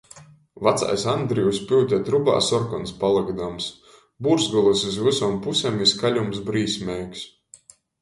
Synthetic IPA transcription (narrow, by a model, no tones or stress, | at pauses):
vat̪sa̰jsand̪ɾijuspʲiwt̪ʲɛt̪ɾuba̰ːsɔɾkɔnspalˠɨɡd̪ams | buɾsɡɔlˠusuzvusɔːmpusemiskalʲums̬bɾiːsʲmʲɛjks